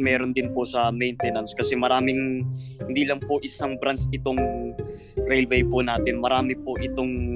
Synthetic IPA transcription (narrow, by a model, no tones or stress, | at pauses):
mɛːɾond̪ɪnpʊsɐmɛjnt̪ɛnɐnskɐsɛmɐɾaːmɪŋhɪnd̪iːlɐŋpʊʔɪsaŋbɾansɪt̪oŋ | ɾɛjlvɛjpʊnaːt̪ɪnmɐɾaːmɪpʊʔɪt̪oŋ